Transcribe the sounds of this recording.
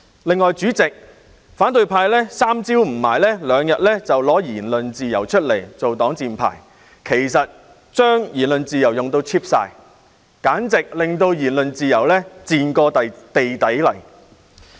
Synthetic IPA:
lɪ˨ŋːɔː˨˧jt͡ʃyː˨˥t͡sɪ˨k̚ | faː˨˥nt̪ɵ˨˧ɥpʰaː˧jlɛː˥saː˥mt͡siː˥wm̩˨˩maː˨˩jlɛː˥lœː˨˧ŋjɐ˨t̚lɛː˥t͡sɐ˨wlɔː˨˥jiː˨˩nlɵ˨nt͡siː˨˧jɐ˨˩wt͡ʃʰɵ˥t̚le˨˩jt͡so˨wt̪ɔː˨˥ŋt͡siː˨˧npʰa̰ː˨˩j | kʰe˨˩jsɐ˨t̚ | t͡ʃœː˥ŋjiː˨˩nlɵ˨nt͡siː˨jɐ˨˩wjʊ˨˩ŋt̪o˧wt͡sʰiː˥p̚sa̰ː˧j | kaː˨˥nt͡sɪ˨k̚lɪ˨ŋt̪o˧wjiː˨˩nlɵ˨nt͡siː˨˧jɐ˨˩wlɛː˥t͡siː˨nkɔː˧t̪ɐ˨jt̪e˨jt̪ɐ˨˥jlɐ̰˨˩j

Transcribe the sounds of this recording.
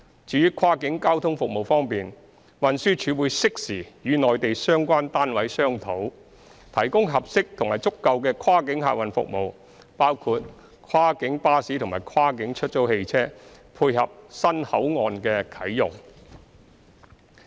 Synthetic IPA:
t͡ʃyː˨˥jyː˥kʰaː˥kɪ˨˥ŋkaː˥wt̪ʰʊ˥ŋfʊ˨k̚mo˨˩wfɔː˥ŋpiː˨n | wɐ˨nsyː˥t͡ʃʰyː˨˧wuː˨˧jsɪ˥k̚siː˨˩jyː˨˧nɔː˨jt̪e˨jsœː˥ŋkʷaː˥nt̪aː˥nwɐ˨˥jsœː˥ŋt̪ʰo˨˥w | t̪ʰɐ˨˩jkʊ˥ŋɦɐ˨p̚sɪ˥k̚t̪ʰʊ˨˩ŋmaː˨˩jt͡sʊ˥kːɐ˧wkɛː˧kʰwaː˥kɪ˨˥ŋɦa̰˧˨wɐ˨˩nfʊ̰˨k̚mo˨w | paː˥wkʰuː˧t̚ | kʰwaː˥kɪ˨˥ŋpaː˥siː˨˥t̪ʰʊ˨˩ŋmaː˨˩jkʰaː˥kɪ˨˥ŋt͡ʃʰɵ˥t̚t͡so˨˥whe˧jt͡sʰɛː˥pʰuː˧jhɐ˨p̚sɐ˥nhɐ˨˥wŋɔː˨nkɛː˧kʰɐ˨˥jjʊ˨ŋ

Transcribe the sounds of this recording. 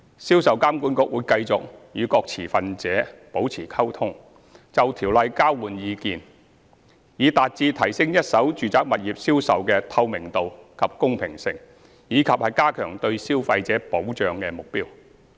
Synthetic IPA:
siː˥wsɐ˨wkaː˥mku˨˥nkʊ˨˥k̚wuː˨˧jkɐ˧jt͡sʊ˨k̚jyː˨˧kɔː˧k̚t͡sʰiː˨˩fɐ˨nt͡sɛː˨˥po˨˥wt͡sʰiː˨˩kʰɐ˥wt̪ʰʊ˥ŋ | t͡sɐ˨wt̪ʰiː˨˩wlɐ˨jkaː˥wwuː˨njiː˨˧kiː˨˧n | jiː˨˧t̪aː˨t̚t͡siː˧t̪ʰɐ˨˩jsɪ˥ŋjɐ˥t̚sɐ˨˥wt͡ʃyː˨t͡saː˨˥k̚mɐ˨t̚jiː˨p̚siː˥wsɐ˨wkɛː˧t̪ʰɐ˧wmɪ˨˩ŋt̪o˨wkʰɐ˨p̚kʊ˥ŋpʰɪ̰˨˩ŋsɪ̰˨ŋ | jiː˨˧kʰɐ˨p̚hɐ˨jkaː˥kʰœː˨˩ŋt̪ɵ˧ɥsiː˥wfɐ˧jt͡sɛː˨˥po˨˥wt͡ʃœː˨ŋkɛː˧mʊ˨k̚piː˥w

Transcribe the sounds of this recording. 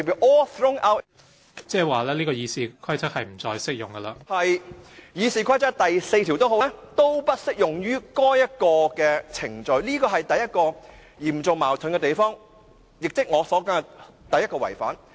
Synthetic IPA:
piː˨˧ʔɔː˥θɹʊ˥ŋʔɐ˥w | t͡sɛː˥˩waː˨lɛː˥liː˥kɔː˧jiː˨˧siː˨˧kʰɐ˥jt͡sʰɐ˥k̚hɐ˨jm̩˨˩t͡sɔː˧jsɪ˥k̚jʊ˨ŋɡɐ˧laː˧hɐ˨jjiː˨˧siː˨˧kʷʰɐ˥jt͡sʰɐ˥k̚t̪ɐ˨jse˧jt̪ʰi˨˩wt̪o˥wɦo˨˥t̪o˥wpɐ˥t̚sɪ˥k̚jʊ˨ŋjyː˥kɔː˥jjɐ˥t̚kɔː˧kɛː˧t͡sʰɪ˨˩ŋt͡sɵ˨ɥliː˥kɔː˧ɦɐ˨jt̪ɐ˨jːɐ˥t̚kɔː˧ | jiː˨˩mt͡sʊ˨˩maː˨˩wt̪ʰɵ˨˥nkɛ˧t̪e˨˩jfɔː˥ŋ | jɪ˨k̚t͡sɪ˥k̚ŋɔː˨˧sɔː˨˥kɐ˨˥˨ | t̪ɐ˨jɐ˥tkɔː˧wɐ˨˩jfa̰ː˨˥n

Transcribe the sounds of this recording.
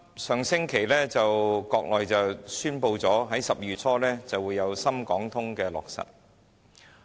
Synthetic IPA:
sœː˨ŋsɪ˥ŋkʰe˨˩jlɛː˥t͡sɐ˨wkɔː˧k̚lɔː˨jt͡sɐ˨wsyː˥npo˧wt͡sɔː˨˥ɦɐ˨˥jsɐ˨p̚jyː˨t͡sʰɔː˥lɛː˥t͡sɐ˨wuː˨˧jːɐ˨˧wsɐ˥mkɔː˨˥ŋt̪ʰʊ˥ŋkɛː˧lɔ̰ː˨k̚sɐ̰˨t̚

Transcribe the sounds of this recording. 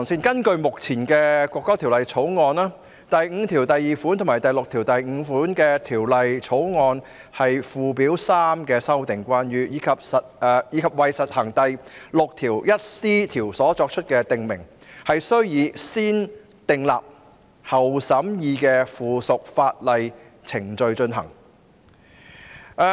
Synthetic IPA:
ɔ˨˩ŋsiː˧nkɐ˥nkɵ˧ɥmʊ˨k̚t͡sʰiː˨˩nkɛː˧kʷɔː˧kːɔː˥t̪ʰiː˨˩wlɐ˨jt͡sʰo˨˥wŋɔː˧naː˥ | t̪ɐ˨jŋ̩ː˨˧t̪ʰiː˨˩wt̪ɐ˨jːiː˨˩fuː˨˥nt̪ʰʊ˨˩ŋmaː˨˩t̪ɐ˨˩jlʊ˨k̚t̪ʰiː˨˩wt̪ɐ˨jŋ̩˨˧fuː˨˥nkɛː˧t̪ʰiː˨˩wlɐ˨jt͡sʰo˨˥wŋɔː˧n | hɐ˨jfuː˨piː˨˥wsaː˥mkɛː˧sɐ˥wt̪ɪ˨ŋkʷaː˥njyː˧jiː˨˧kʰɐ˨p̚sɐ˨t̚ɛː˧jiː˨˧kʰɐ˨p̚wɐ˨jsɐ˨t̚hɐ˨˩ŋt̪ɐ˨jlʊ˨k̚t̪ʰiː˨˩wjɐ˥t̚siː˥t̪ʰiː˨˩wsɔː˨˥t͡sɔː˧k̚t͡ʃʰɵ˥t̚kɛː˧t̪ɪ˨ŋmɪ˨˩ŋhɐ˨jsɵ˥ɥjiː˨˧siː˥n | t̪ɪ˨ŋla̰ː˨p̚ | hɐ˨˩wsɐ˨˥mjiː˧kɛː˧fuː˨sʊ˨k̚faː˧t̚lɐ˨j | t͡sʰɪ˨˩ŋt͡sɵ˧ɥt͡ʃɵ˧nɦɐ̰˨˩ŋ˧

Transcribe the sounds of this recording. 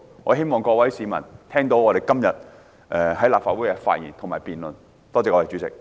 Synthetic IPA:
ŋɔː˨˧ɦe˥jmɔː˨ŋkɔː˧k̚wɐ˨˥jsiː˨˧mɐ˨˩nt̪ʰɛː˥ŋt̪o˨˥wɔː˨˧ɾe˨jkɐ˥mjɐ˨t̚ | ʔɛː˨˩hɐ˨˥jlaː˨p̚faː˧t̚wu˨˥jkɛː˧˥fa̰ː˧t̚jḭː˨˩nt̪ʰmaː˨jpiː˨nlɵ˨n | t̪ɔː˥t͡sɛː˧kɔː˨˧˩ɛ˨˩t͡ʃy˨˦t͡sɪ̰˨k̚

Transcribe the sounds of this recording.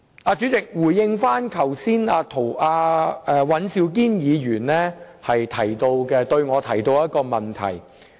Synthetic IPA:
aː˧t͡ʃy˨˥t͡sɪ˨k̚wuː˨˩jːɪ˧ŋfaː˥nkʰɐ˨˩wsiː˥naː˧t̪ʰo˨˩waː˧ɛː˧wɐ˨˥nsi˧wk̬iː˥njiː˨˧jyː˨˩nlɛː˥hɐ˨jt̪ʰɐ˨˩jt̪o˧wkɛː˧t̪ɵ˧ɥŋɔː˨˧t̪ʰɐ˨˩jt̪o˧wjɐ˥t̚kɔː˧mɐ˨nt̪ʰɐ̰˨˩j

